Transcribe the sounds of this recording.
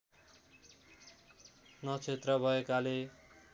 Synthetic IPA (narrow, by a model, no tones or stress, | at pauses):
nʌt͡sʰet̪rʌbʱʌekale